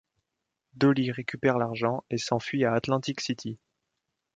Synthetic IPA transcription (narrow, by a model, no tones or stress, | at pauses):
d̪øliʁekʲypɛʁlaʁʒɑ̃esɑ̃fɥiaːt̪lɑ̃t̪iksit̪ʰi